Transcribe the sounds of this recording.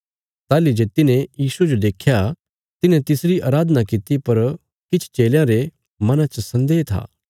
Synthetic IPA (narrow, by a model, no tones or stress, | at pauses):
t̪aːlid͡ʒeːt̪ɪnẽjiːsued͡ʒod̪eːkʰja | t̪ɪnɛ̃t̪ɪsɾiʔaːɾaːd̪ənakɪt̪ipɐɾ | kɪt͡ʃʰt͡ʃeːljãɾe | mɐnãt͡ʃəsɐ̃nd̪eːt̪ʰa̰ː